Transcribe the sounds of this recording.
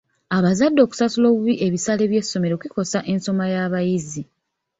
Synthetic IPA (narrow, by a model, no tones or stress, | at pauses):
aβazadːo̞ːku̥sasulo̞ːβuβiʔe̞βisaːle̞βje̞sːo̞me̞ɾo̞kiko̞saʔe̞nso̞majaːβajizi